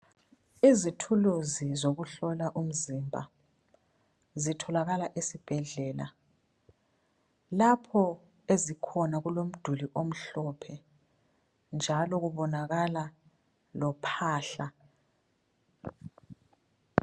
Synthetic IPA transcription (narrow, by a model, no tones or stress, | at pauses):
izitʰuluzizoɣuɬɔlaʔum̩zimbʱa̰ | zitʰɔlaɣalaʔesib̥ʱɛɮɛːla̰ | lapʰɔ | ezikʰɔnaɣulom̩d̥ʱuliʔom̩ɬɔpʰɛ | nd͡ʒʱalɔɣuβɔnaɣala | lɔpʰaːɬa